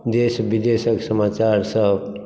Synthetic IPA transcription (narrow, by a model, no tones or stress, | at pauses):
d̪eːsbid̪esəksəmaːt͡ʃaɾsəɦb